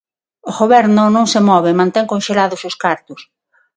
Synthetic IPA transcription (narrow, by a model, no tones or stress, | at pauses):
oɣoβɛɾnʊnõŋsemɔβɪmãnt̪ɛŋkõnʃelaðʊsʊskaɾt̪ʊs